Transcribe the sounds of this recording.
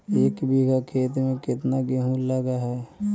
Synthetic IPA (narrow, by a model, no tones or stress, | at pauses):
eːkbiɡakʰeːt̪mẽkɪt̪naɡeɦũlːəɡaɦɛː